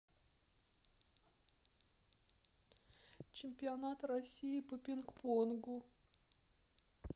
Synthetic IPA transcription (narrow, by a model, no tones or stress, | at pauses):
t͡ɕɪmʲpʲɪɐnat̪rɐsʲijɪpəpʲɪnkponɡʊ